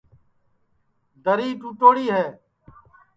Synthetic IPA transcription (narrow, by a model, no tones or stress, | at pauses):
d̪ʱəɾiːʈuːʈoːɽiːɦɛː